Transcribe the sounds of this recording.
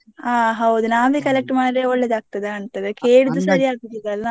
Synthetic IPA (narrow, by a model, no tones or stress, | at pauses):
aːɦɐwd̪unaːʋikɐlek̚ʈmaːd̪ɾeɔɭːed̪aːɡ̚t̪ɐd̪eɐɳt̪ɐd̪ekeːɽud̪usɐɾiaːɡ̚ud̪id̪ɐlːa